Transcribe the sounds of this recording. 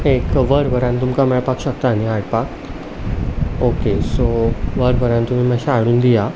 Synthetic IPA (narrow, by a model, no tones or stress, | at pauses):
ekʋəɾʋəɾãnt̪umkamɭapakɕəkt̪aːniaɽpak | okesoʋəɾʋəɾãnt̪um̤iməɕaaɽuːnd̪ija